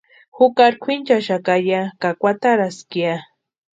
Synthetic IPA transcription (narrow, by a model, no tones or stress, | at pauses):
hʊkaɾkʷʰint͡ʃaʃakajakakʷwat̪aɾaskia